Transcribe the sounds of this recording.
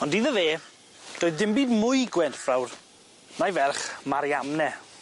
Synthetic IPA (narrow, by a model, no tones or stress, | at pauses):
ɔndiðəveː | d̥oːɨðdɪmbiːdmʊɨɡwɛntfrawr | najvɛrχmaɾjamnɛ